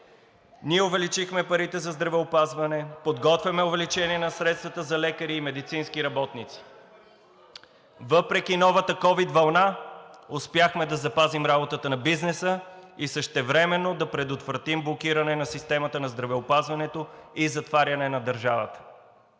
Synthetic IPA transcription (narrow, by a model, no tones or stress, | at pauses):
niɛʊvɛlit͡ʃixmɛpɐɾit̪ɛzɐzd̪ɾɐvɛopazvɐnɛpod̪ɡɔt̪vʲjɐmɛʊvɛlit͡ʃɛniɛnɐsɾɛt̪st̪vɐt̪əzɐlɛkəɾiːmɛd̪it̪sinskiɾɐbɔt̪nit̪si̥ | vɤpɾɛkʲinɔvət̪əkɔvid̪vɐlˠnaʊspʲjaxmɛd̪ɐzɐpazimɾabot̪ət̪ənɐbiznɛsəisəʃt̪ɛvɾɛmɛnːod̪ɐpɾɛd̪ot̪vɾɐt̪imblˠok̟iɾɐnɛnɐsist̪ɛmɐt̪ənɐzd̪ɾɐvɛopazvɐnɛt̪oizɐt̪vaɾʲɐnɛnɐd̪əɾʒavə̰t̪ə̥